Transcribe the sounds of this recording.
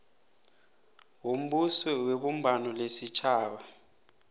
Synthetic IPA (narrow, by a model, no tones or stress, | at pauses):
wum̩ɓusɔweɓum̩bʱanɔlesit͡ʃʰaːwa